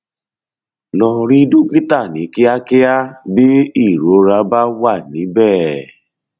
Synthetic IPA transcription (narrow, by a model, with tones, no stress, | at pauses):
nɔ̃˧ɾi˦du˦ki˦ta˦˨nĩ˨˦ki˦a˦kɪ˦a˦bi˦i˦˨ɾo˨˦ɾa˨˦ba˦wa˦˨nĩ˨˦bɛː˦˨